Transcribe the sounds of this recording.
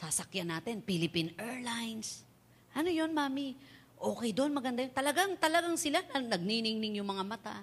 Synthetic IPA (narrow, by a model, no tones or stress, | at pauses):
sasɐkjanaːt̪ɛnpilɪpinɛɹlajns | ʔɐnojo̞nmaːmi | ʔo̞ːkɛjd̪oʔnmɐɡɐnd̪ajont̪ɐlɐɡaŋt̪ɐlɐɡaŋsɪlanɐnɐɡ̚ninɪŋnɪŋjʊŋmɐŋamɐt̪a̰